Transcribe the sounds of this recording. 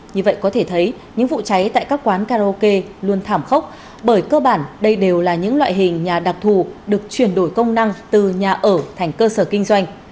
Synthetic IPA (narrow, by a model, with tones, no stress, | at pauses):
ɲɨ˧və̰˧˨jkɔ˨˦t̪ʰe˧˩t̪ʰə˨˦j | ɲɨ̰˧˥ŋvṵ˧˨t͡ɕa˨˦jt̪a̰ː˧˨jkaː˦˥k̚kwaː˨˦nkaː˧o˧ke˧lu˧ənt̪ʰaː˧˩mxə˦˥k͡p̚ | ɓəː˧˩jkəː˧ɓaː˧˩nɗə˧jɗe˨˩wlaː˨˩ɲɨ̰˧˥ŋlwa̰ː˧˨jɦï˨˩ŋ̟ɲaː˨˩ɗa˨˩k̚t̪ʰu˨˩ɗɨ˨˩ək̚t͡ɕwi˧˩ənɗo˧˩jkə˧wŋ͡mna˧ŋt̪ɨ˨˩ɲaː˨˩ʔəː˧˩t̪ʰɛ˨˩jŋ̟kəː˧səː˧˩kï˧ŋ̟zwa˧jŋ̟